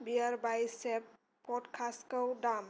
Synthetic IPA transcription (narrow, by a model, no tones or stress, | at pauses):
biaɾbajsɛp | pɔɖkʰaskəwɖam